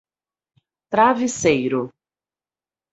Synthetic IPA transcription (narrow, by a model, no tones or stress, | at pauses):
t̪ɾavisejɾʊ